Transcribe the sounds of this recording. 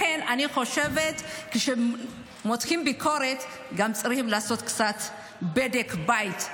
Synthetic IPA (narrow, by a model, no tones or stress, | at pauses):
enanixoʃevet̪kɨʃɛ | mot̪ximbikʰoɾet̪ | ɡamt͡sʼaɾhimlaasot̪kt͡sat̪ | bed̪ekbajt̪